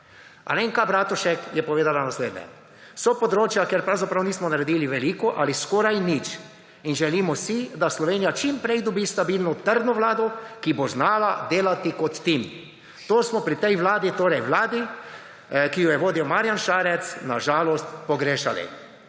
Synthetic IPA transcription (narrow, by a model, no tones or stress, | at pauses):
a̰leŋkabɾaːt̪uʃɛkjɛpɔʋeːd̪alanasleːd̪nɲɛ̰ | sɔpɔd̪ɾoːt͡ʃjakeɾpɾawzapɾawniːsmɔnaɾɛd̪iːliʋɛliːkɔʔa̰liskoːɾajnit͡ʃ | inʒɛliːmɔsid̪aslɔʋeːnijat͡ʃimpɾɛjd̪ɔbiːst̪abilnɔt̪əɾd̪nɔʋlaːd̪ɔkiboznaːlad̪eːlat̪ikɔt̪ːim | t̪oːsmɔpɾit̪ɛjʋlaːd̪it̪oːɾɛjʋlaːd̪i | kijɔjɛʋoːd̪iwmaːɾjanʃaːɾɛt̪snaʒaːlɔst̪pɔɡɾeːʃalḭ